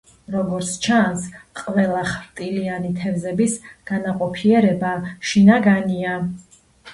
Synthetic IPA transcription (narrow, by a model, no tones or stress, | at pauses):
ɾɔɡɔɾt̪sʰt͡ʃʰansqʼvɛlˠaχɾt̪ʼilianit̪ʰɛvzɛbisɡ̥anaqʼɔpʰiɛɾɛbaʃinaɡania